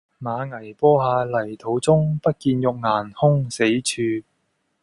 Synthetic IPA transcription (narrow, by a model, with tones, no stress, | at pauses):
maː˨˧ŋɐ˨˩jpɔː˥ɦaː˧lɐ˨˩jt̪ʰo˨˥wt͡sʊ˥ŋpɐ˥t̚kiː˧njʊ˨k̚ŋaː˨˩nhʊ˥ŋse˨˥jt͡ʃʰyː˧